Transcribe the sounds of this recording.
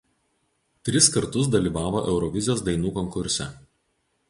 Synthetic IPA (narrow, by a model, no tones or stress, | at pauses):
t̪ʲɾʲɪskɐɾt̪ʊs̬d̪ɐlʲiːʋɑːʋoʔɛʊɾɔʋʲɪzʲjoːsd̪ɐɪnuːkɔŋkʊɾʲsʲɛ̰